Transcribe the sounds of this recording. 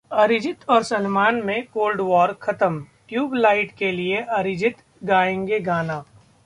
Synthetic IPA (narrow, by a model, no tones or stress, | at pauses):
ɐɾɪd͡ʒɪt̪ɔːɾsɐnmaːnmẽkoːlɖwɔːɾkʰɐt̪əmkjuːblaːɪʈkelieʔɐɾɪd͡ʒɪt̪ | ɡaːẽːŋɡeɡaːnaː